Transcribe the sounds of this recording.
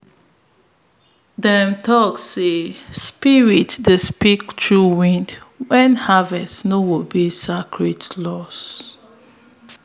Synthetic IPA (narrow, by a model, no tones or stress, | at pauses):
dɛmtʰɔksespiɹitdəspiktʰɹuwĩndwɛ̃nhavɛstnowibisakʰɹitlɔs